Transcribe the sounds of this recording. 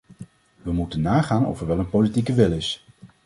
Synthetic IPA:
ʋəmutənːaːχaːnɔ̰fɛɹʋɛlˠənpolitikəʋɪlˠɪs

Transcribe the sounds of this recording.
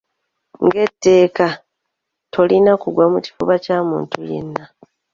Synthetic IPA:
ŋɡe̞tːe̞ːka | tʰo̞linakuɡwamuci̥fuβacaːmṵːntuje̞̰nːa

